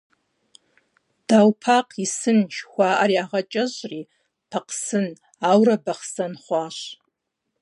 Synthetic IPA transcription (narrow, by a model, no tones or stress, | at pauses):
d̥awpʰaqʰʼisɨnʃχʷaʔaɾiaʁat͡ʃʼaʒʷri | pʰaqʰʼsɨn | awrabaχsanχʷaʃ